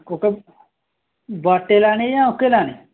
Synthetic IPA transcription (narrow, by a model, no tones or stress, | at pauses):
kõːke | baːʈːeːlaːñiːjãːʊkːelaːniː